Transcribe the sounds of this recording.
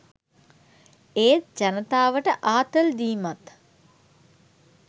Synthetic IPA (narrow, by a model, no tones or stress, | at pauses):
eːt̪̚d͡ʒanət̪aːʋəʈəʔaːt̪əld̪iːmat̪